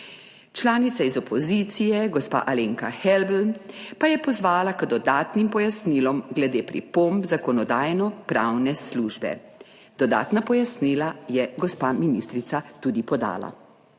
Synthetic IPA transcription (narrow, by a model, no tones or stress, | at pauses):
t͡ʃlaːnit̪saizɔpʰɔzit̪sijɛɡɔspa̰ʔaleːŋkaxɛlbl̩pajɛpɔzʋaːlakəd̪ɔd̪aːt̪nimpɔjasniːlɔmɡlɛd̪eːpɾḭpombzakɔnɔd̪aːjnɔpɾawnɛsluːʒbɛ̰ | d̪̥ɔd̪a̰ːt̪napɔjasniːlajɛɡɔspaminist̪ɾit̪sat̪ud̪ipɔd̪a̰ːla̰